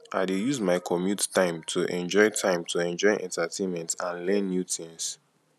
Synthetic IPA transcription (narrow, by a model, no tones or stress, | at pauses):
ʔaɪdejuzmaɪkʰɔmjuttãɪ̃mtʰuʔɛ̃nd͡ʒɔɪtʰãɪ̃mtʰuɛ̃nd͡ʒɔɪʔɛ̰̃ntatʰẽnmɛ̃ntãnlɛ̃nːjutĩŋs